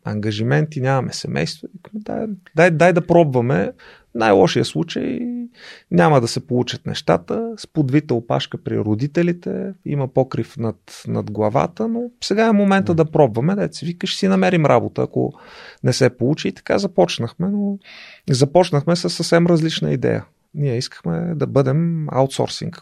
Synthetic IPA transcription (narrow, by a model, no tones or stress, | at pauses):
ɐ̰ŋɡɐʒimɛnt̪inʲamɐmɛsɛmʔɛ̰jst̪voikmd̪a̰d̪ajd̪ajd̪ɐpɾɔbvɐmɛ | najlˠɔʃijəslˠut͡ʃə̰j | nʲaməd̪ɐsɛpolˠut͡ʃət̪nɛ̰ʃt̪a̰t̪əspod̪vit̪əopa̰ʃkəpɾḭɾod̪it̪ɛlit̪ɛ̰ḭməpɔkɾifnɐt̪nɐ̰d̪ɡlˠɐva̰t̪ənosɛɡaɛmomɛnt̪əd̪ɐpɾɔbvɐmɛd̪ɛt̪sɛvikəʃsinɐmɛɾimɾʔa̰bot̪ə̰ːko̰nɛsɛpolˠut͡ʃiːt̪ɐ̥ka̰zɐpɔt͡ʃnəxmɛnozɐpɔt͡ʃnəxmɛsəssəfsɛmɾɐzlit͡ʃnə̰id̪ɛ̰jə̰ | niɛiskə̥xmɛ̰d̪ɐbɤd̪ɛma̰wt̪sɔ̰ɾsḭŋk